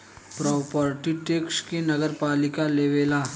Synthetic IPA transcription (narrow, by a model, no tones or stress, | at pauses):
pɾɔːpəɾʈiʈeːkskenɐɡəɾpaːlɪkaleːʋeːlaː